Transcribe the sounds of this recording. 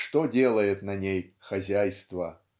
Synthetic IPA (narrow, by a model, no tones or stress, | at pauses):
ʂt̪odʲe̞lˠəjɪt̪nɐnʲejxɐzʲæjst̪və